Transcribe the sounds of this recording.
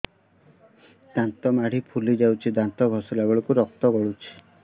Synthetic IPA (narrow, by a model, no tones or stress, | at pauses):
d̪̥ant̪ɔmaɽ̤ipʰulid͡ʒawt͡ʃʰid̪ant̪ɔɡʱɔsɔlaɡɔɭɔkuɾɔk̚t̪ɔɡɔɽut͡ʃʰi̥